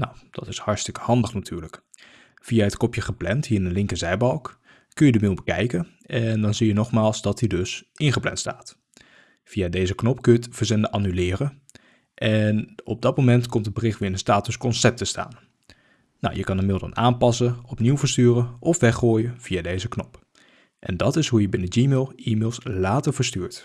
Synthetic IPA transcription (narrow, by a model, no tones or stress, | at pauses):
nawd̥ɑtɪshɑɹtstɪkə̥hɑndəχnatʰyːɹlək | v̥ijaɦətkɔpjəχəplɛntɦiːɹɪnənlɪŋkəzɛjbɑlˠkː | ɵnjədəmilˠbəkɛ̰jkən | ɛndɑnzijənɔχmaːlˠzdɑtdidɵsʔɪnχəplɛ̰ntsta̰ːt | v̥ijadejzəknɔpkøjətv̥əɹzɛndəʔɑnylɪːrə | ʔɛnɔb̚dɑt̚momɛntkɔmtəbərɪχʋɪːɹɪnənstaːtəskɔnsɛp̚təsta̰ːn | na̰wjəkɑnəmɪlˠdə̰naːnpɑsənɔpniwvəɹstyːrənʔɔfʋɛχoːjəv̥iadejzəknɔp | ʔɛ̰ndɑtɪsɦujəbɪnəd͡ʒiːmɪlˠiːmɪlˠslaːtəɹvəɹstyːɹt